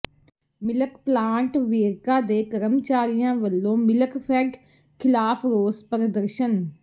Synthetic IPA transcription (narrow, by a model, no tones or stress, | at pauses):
mɪləkplãːɳʈʋeːɾkaːd̪eːkəɾəmt͡ʃaːɾɪjãːʋəlːõːmɪləkpʰɛːʈ | kʰɪlaːpʰɾoːspəɾəd̪əɾʃən